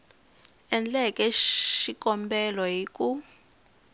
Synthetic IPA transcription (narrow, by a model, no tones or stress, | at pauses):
ɛnd͡ɮɛkʼɛʃikʼɔmbɛlɔɦikʼu